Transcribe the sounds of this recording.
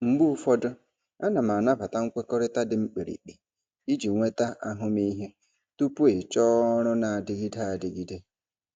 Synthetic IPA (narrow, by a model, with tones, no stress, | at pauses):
ŋ͡m̩˨ɡ͡bu˦fɔ˦dʊ˦ | a˦na˨m˨a˨na˦ba˨ta˦ŋ̩˦kʷe˦kɔ˦ɾɪ˦ta˦dɪ˨ŋ͡m̩˦k͡pe˨ɾḭ˨k͡pi˨ | i˦d͡ʒi˨ŋʷe˦ta˦ʔa˦ɦʊ˦mi˦ɦe˦ | tu˦pu˦e˨t͡ʃɔː˦ɾʊ˦na˨a˨dɪ˨ɡi˦da˦a˨dɪ˨ɡi˦de˦